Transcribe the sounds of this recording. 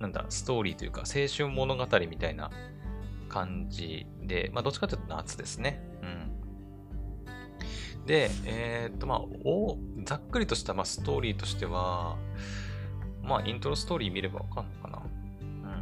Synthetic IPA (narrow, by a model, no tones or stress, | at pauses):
nãnd̪a̰sɨ̥t̪o̞ːɾʲiːt̪o̞jɯ̟ka̰se̞ːɕɨ̃mːo̞no̞ɡat̪aɾʲimʲit̪aina̰ | kʰãɲd͡ʑi | d̪e̞̰mʔa̰d̪ot͡ɕi̥kat̪eiɯ̟t̪onaa̰t͡sɨd̪e̞sɨne̞ | ɯ̟̃ɴ | d̪e̞eːt̪ːo̞ma̰od͡zakːɯ̟ɾʲit̪o̞ɕi̥t̪amaːsɨ̥t̪o̞ːɾʲiːt̪o̞ɕi̥t̪e̞βa | maʔĩnt̪oɾosɨ̥t̪o̞ːɾʲiːmʲiɾe̞ba̰βa̰kãnːokana̰ | ɯ̟̃ɴ